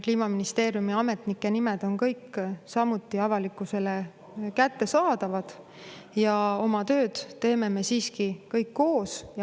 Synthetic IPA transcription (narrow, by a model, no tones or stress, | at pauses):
kliːmɑminist̪e̞ːɾjumiɑme̞t̪ˑnikːˑe̞nimed̪̥o̞nkɤjkːsɑmut̪ːˑiɑvɑlikːˑuse̞le | kæt̪ːe̞sɑːd̪̥ɑvɑd̪̥ | jɑo̞mɑt̪ø̞ːd̪̥t̪e̞ːme̞me̞siːskikɤjkːo̞ːsjɑ